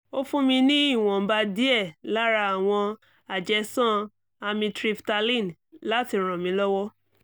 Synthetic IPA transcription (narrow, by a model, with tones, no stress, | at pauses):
o˦fũ˦mĩ˧nĩ˦i˦˨w̃ɔ̃˨ba˧di˦ɛ˦˨la˦ɾa˧a˨w̃ɔ̃˧ | a˨d͡ʒɛ˧sɔ̃˦ | a˧mĩ˧tɾi˦˧fta˧lĩ˦˨n | la˦ti˧ɾ̃ɔ̃˨mĩ˧˦lɔ˦wɔ˦